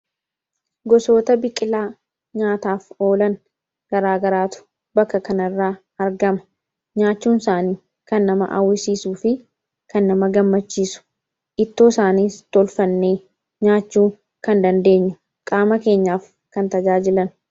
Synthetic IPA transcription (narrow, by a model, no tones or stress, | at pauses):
ɡɔso̞ːt̪ɐbɪkʼːɪlaː | ɲaːt̪aːfo̞ːlɐn | ɡ̥ɐɾaːɡɐɾaːt̪ʊ̥ | bɐkːɐkɐnɐrːaː | ɐɾɡɐmɐ̥ | ɲaːt͡ʃːuːnsaːniː | kɐnːɐmɐ̰ʔɐ̰wːɪsiːsuːfɪ | kɐnːɐmɐɡɐmːɐt͡ʃːiːsʊ̥ | ʔɪt̪ːo̞ːsaːniːt̪ɔlfɐnːeː | ɲaːt͡ʃːuː | kɐnd̪ɐnd̪e̞ːɲːʊ̥ | kʼaːmɐke̞ːɲːaːf | kɐnt̪ɐd͡ʒaːd͡ʒɪlɐn